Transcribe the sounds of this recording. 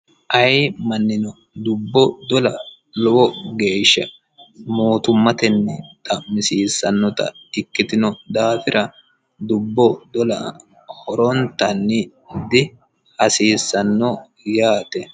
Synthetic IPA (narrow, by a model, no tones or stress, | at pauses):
ʔɐjmɐnːɪnɔ | d̪ʊbːɔd̪ɔlɐ | lɔʔɔɡe̞ːʃːɐ | mo̞ːt̪ʊmːɐt̪ɛnːɛt̪ʼɐmɪsiːsːɐnːɔt̪ɐ̰t̪ɪkːɪt̪ɪnɔd̪aːfɪɾʔɐ | d̪ʊbːɔd̪ɔlɐ | hɔɾɔnt̪ɐnːɪ | d̪ɪ | hɐsiːsːɐnːɔ | jaːt̪ɛ